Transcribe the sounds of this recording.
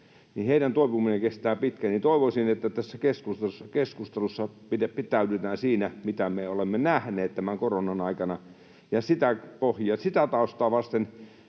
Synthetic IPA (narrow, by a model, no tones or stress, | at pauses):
niheiɾænt̪oipumineŋkest̪æːpit̪kænit̪oiʋosinet̪ːæt̪æsːækeskust̪esːɑkeskust̪elusːɑpideppːit̪æydyt̪æːnsiːnæmit̪æmeolemːenæhneːt̪t̪æmæŋkoronɑnɑikɑnɑ | jɑsit̪æpohjɑsit̪æt̪ɑust̪ɑːʋɑst̪en